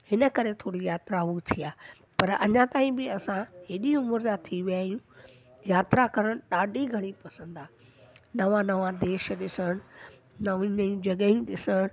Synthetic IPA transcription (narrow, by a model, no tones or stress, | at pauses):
hɪnə̆kɐɾet̪ʰoːɽijaːt̪ɾaɦut̪ʰijaː | pɐɾɐ̰ɲãt̪aːĩbɪɐsãɦeːɗimʊɾzat̪ʰiʋijaːijũ | jaːt̪ɾakɐɾəɽ̃ɗaːɖʱiɡʱɐɽ̃ipɐsə̃nd̪aː | nɐʋãnɐʋãd̪eːʃɗɪsəɽ̃ | nɐʋ̃nɐũd͡ʑɐɠəĩɗɪsəɽ̃